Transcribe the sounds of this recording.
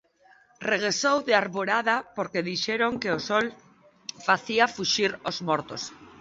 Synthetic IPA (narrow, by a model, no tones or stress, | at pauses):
reɣ̞ɾesowðeaɾβoɾaðapoɾkeðiʃeɾoŋkeosɔl | faθiafuʃiɾozmɔɾt̪os